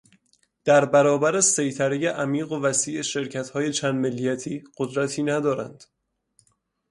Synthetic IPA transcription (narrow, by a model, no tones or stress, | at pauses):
d̪̥æɾbæɾɒːbæɾese̞jt̪ʰæɾejeʔæmiːɣovæsiːʔeʃe̞ɾcʰæt̪hɒːjet͡ʃʰæːnd̪me̞lːijæt̪ʰiːɢ̥od̪ɾæt̪ʰiːnæd̪ɒːɾæ̰nd̪̥